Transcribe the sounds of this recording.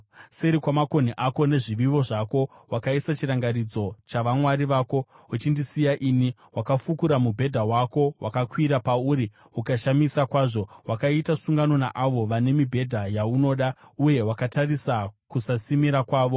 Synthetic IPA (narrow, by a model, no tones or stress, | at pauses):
seɾikwamako̞niʔako̞ne̞ʐiʋiʋo̞ʐako̞wʔakaisat͡ʃiɾaŋɡarid͡zo̞t͡ʃaʋamwaɾiʋaːko̞ | ut͡ʃindisijaʔiːni | wakafukuɾamubʱe̞dʱawako̞wʔa̰kakwiɾapauɾi | ukaʃamisakwaːʐo̞wʔakaitasuŋɡano̞na̰ʔaʋo̞ʋane̞mibʱe̞dʱajauno̞ːɗa | uje̞wakatarisakusasimiɾakwaːʋo̞